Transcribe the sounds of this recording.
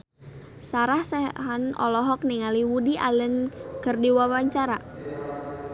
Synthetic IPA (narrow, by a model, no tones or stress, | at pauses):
saɾahsɛɦanɔ̰lɔɦɔk̚niŋaliwudiʔalənkərdiwawaɲt͡ʃaɾa